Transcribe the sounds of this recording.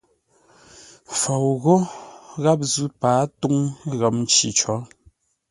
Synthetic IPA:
fo˨wɣo˦ɣa˦p̚zʉ˦paː˨˦tu˦ŋɣə˨˦mn˦t͡ʃi˨t͡ʃɔ˨˦

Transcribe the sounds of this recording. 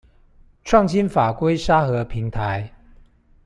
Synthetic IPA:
ʈ͡ʂʰwɑ˥˨˩ŋɕi˥nfa˨˩kwe˥ɪʂa˥xɤ˨˧˦pʰi˨˥ŋt̪ʰa˨˦ɪ

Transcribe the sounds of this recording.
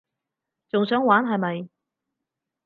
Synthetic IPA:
t͡sʊ˨ŋsœː˨˥ŋwaː˨˥nɦɐ˨jmɐ˨j

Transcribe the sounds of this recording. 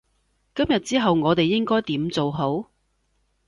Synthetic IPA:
kɐ˥mjɐ˨t̚t͡siː˥ɦɐ˨wŋɔː˨˧t̪e˨jːɪ˥ŋkɔː˥jt̪iː˨˥mt͡so˨wɦo˨˥w

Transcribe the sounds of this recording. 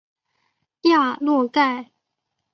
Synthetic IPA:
ja˥˧lwɔ˥˧ka˥˩ɪ

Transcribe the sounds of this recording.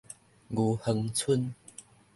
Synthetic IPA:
ɡu˨˧˩hə˧ŋt͡sʰu˦n

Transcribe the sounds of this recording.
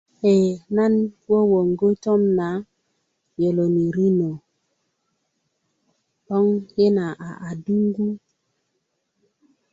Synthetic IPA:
he˨na˦nwɔ˦wo˨ŋɡo˦tɔ˦mna˨˦ | jo˨lo˨ni˨ɾi˦no˨ | ɗɔ˦ŋje˦na˨ʔa̰˨ʔa˨du˦ŋ˦ɡu˦

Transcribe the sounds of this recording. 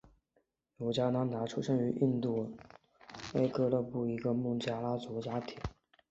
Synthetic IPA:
jo˧˥ʊt͡ɕja˥na˧˥nt̪a˧˥ʈ͡ʂʰu˥ʂə˥ŋy˧˥ʔi˥˧nt̪u˥˩ | we˥˩ɪkɤ˥lɤ˥˧pu˥˩i˧˥ɡə˧mu˥˩ŋt͡ɕja˥˩la˥t͡su˧˥t͡ɕja˥t̪ʰi˨˩˦

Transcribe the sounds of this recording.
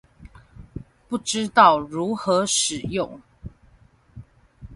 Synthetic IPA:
pu˥˩ʈ͡ʂɻ̩˦t̪ɑ˥˨ʊɻu˨˥xɤ˨˦ʂɻ̩˨˩jʊ˥˨ŋ

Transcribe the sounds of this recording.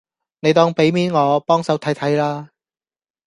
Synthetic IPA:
ne˨˧jt̪ɔː˥ŋpe˨˥jmiː˨˥nŋɔː˨˧pɔː˥ŋsɐ˨˥wt̪ʰɐ˨˥jt̪ʰɐ˨˥jlaː˥

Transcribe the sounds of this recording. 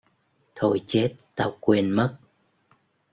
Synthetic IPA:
t̪ʰo˧jt͡ɕe˦˥t̚t̪aː˧˩wkwi˧ənmə˦˥t̚

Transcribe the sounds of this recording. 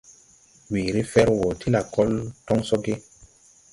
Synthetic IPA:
wiː˨ɾi˦fɛ˦ɾwo˨tʰi˦la˨kɔ˦ltɔ˦ŋso˦ɡe˦

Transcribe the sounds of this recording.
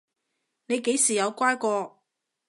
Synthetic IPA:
ne˨˧jke˨˥jsiː˨˩jɐ˨˧wkʷaː˥jkʷɔː˧

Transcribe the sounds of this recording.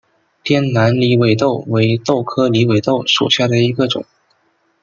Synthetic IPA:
t̪jɛ˥nna˧˥nli˧˥we˧˥ɪt̪o˥˩ʊwe˧˥ɪt̪o˥˩ʊkʰɤ˥li˧˥we˧˩ɪt̪o˥˩ʊʂṵ˨˩ɕja˥˩d̪ə˩i˧˥ɡə˧ʈ͡ʂʊ̰˨˩˦ŋ

